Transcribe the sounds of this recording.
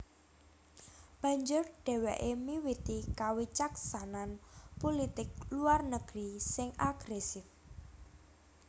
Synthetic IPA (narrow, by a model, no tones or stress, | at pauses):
b̥ä̤ɲd͡ʒʊrɖ̥ɛ̤wɛʔemiwit̪ikawit͡ʃaksananpolit̪ɪk̚luarnəɡ̥ɾisɪŋʔaɡ̥ɾɛsɪf